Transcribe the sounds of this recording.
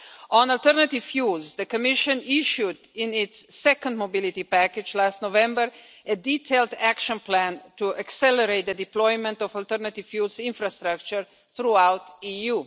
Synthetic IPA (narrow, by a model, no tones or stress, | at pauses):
ɔ̃nalt̪əɾnat̪ɪvfjulzd̪əkɔmɪʃə̃niʃud̪ɪ̃nɪtsːɛkə̃ndmobɪlit̪ipækɪd͡ʒlast̪novɛ̃mbəɾədit̪ʰeɪld̪ækʃə̃nplæ̃ntuʔaksɛləɾeɪt̪̚d̪ədiplɔɪmɛ̃nt̪ɔfalt̪əɾnat̪ɪv̥fjulsɪ̃nfɾast̪ɾak̚t͡ʃəɾ | θɾuawt̪ijuː